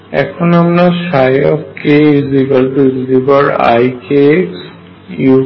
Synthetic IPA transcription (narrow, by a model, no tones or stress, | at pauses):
ɛ̰kʰonamnaʃajɔfkeizibalʈuzibaɾa̰jkeks | ju